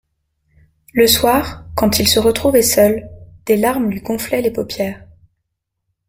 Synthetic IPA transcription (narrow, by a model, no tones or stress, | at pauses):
ləswaːʁkɑ̃t̪ilsəʁət̪χuvɛsœld̪̥elaʁmlɥiɡɔ̃flɛlepopjɛːʁ